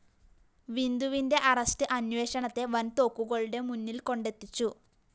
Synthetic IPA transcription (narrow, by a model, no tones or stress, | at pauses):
ʋind̪uʋinde̞ʔɐrɐstɨʔɐnʋe̞ːɕɐɳɐt̪ːe̞ʋɐnt̪o̞ːkːuɣɐɭɽe̞munːilko̞ɳɖet̪ːit͡ɕːu